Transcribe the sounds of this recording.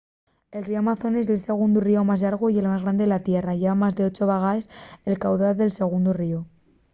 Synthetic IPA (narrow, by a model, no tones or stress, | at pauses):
e̞lrioamaθo̞ne̞zelse̞ɣ̞und̪urio̞mazlaɾɣ̞oie̞lmazɣɾand̪elat̪je̞raʝeβamazðe̞o̞t͡ʃoβ̞aɣaeselkawðaɾðe̞lse̞ɣ̞und̪urio